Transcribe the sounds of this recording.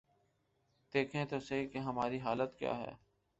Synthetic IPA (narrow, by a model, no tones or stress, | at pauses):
d̪̥eːkʰẽt̪oːseɦikeɦɐmaːɾiɦaːlət̪kja̰ːɦɛ̰ː